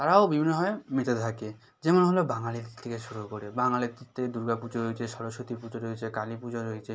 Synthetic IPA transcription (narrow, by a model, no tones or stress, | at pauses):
t̪aɾaobibʱinːobʱabemit̪ʰet̪ʰake | d͡ʑemoneɦolobaŋaliɾt̪ʰekeʃuɾukoɾebaŋalit̪ʰit̪ʰed̪uɾɡapud͡ʑoɾojt͡ʃʰeʃɔɾoʃot̪ipud͡ʑoɾoet͡ɕʰekalipud͡ʑoɾojet͡ɕʰe